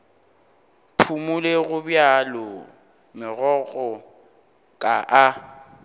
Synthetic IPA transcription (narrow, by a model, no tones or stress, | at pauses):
pʰumuleɣʊbjalɔ | mɪɣɔɣʼɔ | kʼaʔa